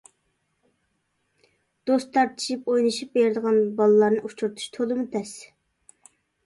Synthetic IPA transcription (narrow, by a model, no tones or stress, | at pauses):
d̪̥ost̪ʰɑɾt̪ʰɨ̥ʃipojnɨʃip̚beɾd̪əʁɑnbɑlˠəlˠɑɾnɨʔut͡ʃʰuɾt̪ʰu̥ʃt̪ʰolˠɨmut̪ʰɛs